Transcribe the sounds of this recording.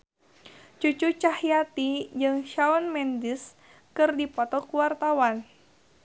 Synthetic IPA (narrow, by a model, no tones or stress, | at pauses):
t͡ʃut͡ʃut͡ʃahjat̪id͡ʒɨŋʃaɔnmɛndis | kɨrdipɔt̪ɔkuwart̪awan